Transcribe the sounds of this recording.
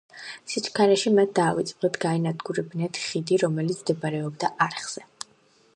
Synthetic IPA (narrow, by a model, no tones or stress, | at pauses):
sit͡ʃʼkʰaɾɛʃimat̪̚ʰd̪aːvit̪sʼpʼlɛt̪ʰɡaɛnad̪ɡuɾɛbnɛt̪ʰχid̪iɾɔmɛlit̪sʰmd̪ɛbaɾɛɔbd̪aʔaɾχz̥ɛ